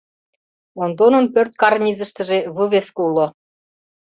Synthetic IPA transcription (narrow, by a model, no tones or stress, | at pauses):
ond̪onɤ̆npørt̪̚kɑrnʲizə̆ʃt̪ə̆ʒeβəβeskulŏ